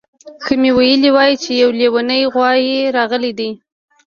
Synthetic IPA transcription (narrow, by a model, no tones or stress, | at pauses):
xəmewajəliwɑjit͡ʃejawlewanəjɣwɑjeɾɑɣəlid̪i